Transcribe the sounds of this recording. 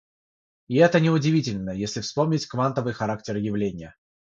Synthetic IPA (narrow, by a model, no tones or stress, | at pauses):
ɪɛt̪ənʲɪʊdʲɪvʲitʲɪlʲnəjesʲlʲɪfspo̞mnʲɪtʲkvant̪əvɨjxɐɾaktʲɪrjɪvlʲenʲɪjə